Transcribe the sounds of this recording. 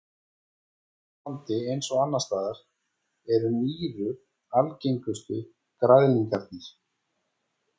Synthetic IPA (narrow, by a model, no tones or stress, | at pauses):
ant̪ɪejnsɔɣanːast̪aːðaɾ̥ | ɛɾʏniːɾʏ | alcejŋkʏst̪ʏ | kɾaðliŋkaɾt̪̚nɪɾ̥